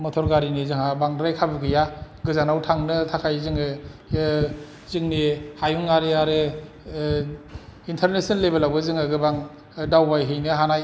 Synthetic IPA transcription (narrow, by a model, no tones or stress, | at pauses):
mɔtʰɔɾɡaɾinizɯŋabaŋɾajkʰabɯɡɯjaɡɯzanawtʰaŋnɯtʰakʰajzɯŋɯ | zɯŋnehajuŋaɾeaɾɯ | intʰaɾnesɯnlebelawbɯzɯŋɯɡɯbaŋ | dawbajɦɯjnɯɦanaj